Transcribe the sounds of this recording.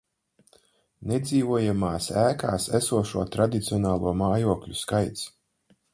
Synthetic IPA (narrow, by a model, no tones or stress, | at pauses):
ned̪ziːvuɔjamaːsæːkaːsæsuɔʃuɔt̪ɾad̪it̪siɔnaːlˠuɔmaːjuɔklʲṵskajt̪s